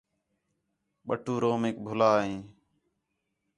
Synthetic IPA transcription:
ɓə̰ʈʰuːɾoːmeːk̚bʱʊlaːɦẽː

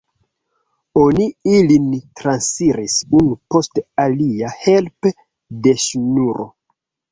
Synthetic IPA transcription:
oniilintɾansfiɾisunupo̞staliahe̞lpe | de̞ʃunuɾʔo̰

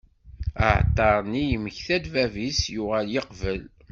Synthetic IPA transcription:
ə̰ʕt̪ˤːɑɾˤnijəməçθæd̪vævisjʊʁæljəqvəl

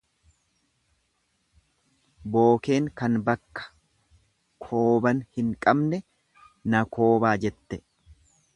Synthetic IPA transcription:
bo̞ːke̞ːŋkɐnbɐkːɐ̥ | kʰo̞ːbɐnhɪŋkʼɐbnɛ | nɐkʰo̞ːbaːd͡ʒɛt̪ːɛ

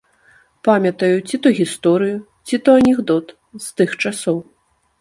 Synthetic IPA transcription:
pamʲɐt̪ɐjut͡sʲit̪ɔɣʲist̪ɔɾɨju | t͡sʲit̪ɔɐnʲɛɣd̪ɔt̪ | z̥t̪ɨxt͡ʂasɔw

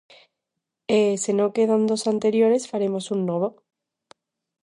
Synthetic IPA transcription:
esenokeðand̪osant̪eɾjoɾesfaɾemosunːoβ̞o

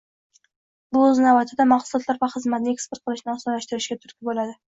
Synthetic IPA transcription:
bʊɵznavat̪ʰɪd̪amɑχsʊlˠɒt̪laɾvaχɨzmat̪nɪekspeɾt̪qɨlɪʃnɪɒsɒnlaʃt̪ɪɾɪʃɡʲat̪ʰʊ̥ɾkʲɪbolad̪ɪ

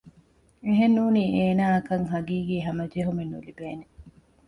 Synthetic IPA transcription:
eɦenːuːniːʔeːnaːɐkɐŋɦɐɡiːɡiːɦɐmɐd͡ʒeɦumenːṵlibeːne

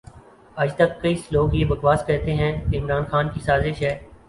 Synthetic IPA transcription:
ɐd͡ʒt̪ɐkːɐisloːɡjeːbɐɡʋaːskɛɦt̪eɦɛ̃keɪmɾaːnxaːnkisaːzɪʃɦɛː

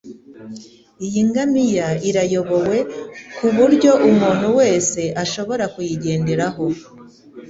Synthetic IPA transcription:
ijiŋɡamijaiɾajo̞βo̞we̞kuβuɾɟo̞ʔumuːn̥huwe̞ːse̞ʔaʃo̞βo̞ɾakujiɟe̞ːndeɾaɦo̞

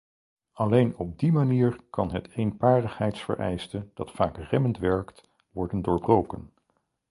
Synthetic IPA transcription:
ɑlejnɔb̚dimaniːɹkɑnɦətejnpaːɹdəχɦɛjtsfə̰ɹʔɛ̰jstəd̥ɑtfaːkrɛməntʋɛɹkt | ʋɔɹdəndoːɹbrowkən

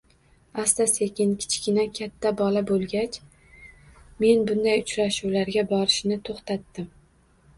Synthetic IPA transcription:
ast̪asekʲɪnkʲʰɪ̥t͡ʃkʲɪnakʲʰat̪ʰːabɒlabolˠɡʲat͡ʃʰ | me̞nbʊnd̪ajʊt͡ʃɾaʃuwlaɾɡʲabɒɾɪʃnɪt̪ʰoχt̪ʰat̪ːɪm

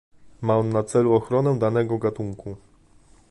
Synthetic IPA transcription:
manat̪sɛluɔxɾɔnɛd̪anɛɡɔɡat̪uŋkʰu

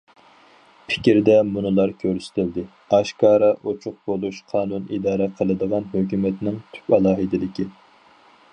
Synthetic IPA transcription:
pʰɪ̥kʲiɾd̪ɛmunɨlˠɑɾkʲʰøɾysɪ̥t̪ʰɪld̪ɪ | ɑʃkɑːɾɑʔot͡ʃʰʊq̚bolˠuʃqʰɑːnunid̪ɑːɾɛqʰəlˠɨd̪əʁɑnɦøkʲymɛt̪nɪŋt̪ʰy̥pɛlˠɑːɦɨd̪ɪlɪkʲi

